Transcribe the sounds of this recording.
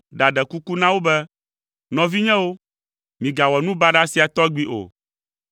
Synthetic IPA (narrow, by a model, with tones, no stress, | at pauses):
ɖa˨ɖɛ˨ku˦ku˦nã˦wo˦bɛ˦ | nɔ̃˨vi˦ɲɛ̃˦wo˦ | mĩ˨ɡa˨wɔ˨nũ˦ba˦ɖa˦si˦a˨t̪ɔ˦ɡ͡bi˦ʔo̰˨